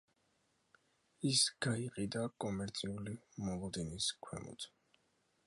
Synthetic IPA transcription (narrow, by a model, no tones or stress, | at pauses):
isɡ̥aiqʼid̪akʼɔmɛɾt̪sʼʰiulimɔlˠɔd̪ɛniskʰwɛ̰mɔ̰t̪